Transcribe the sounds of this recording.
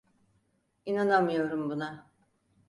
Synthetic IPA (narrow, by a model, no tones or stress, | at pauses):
inanamɯjo̞ɾumbuna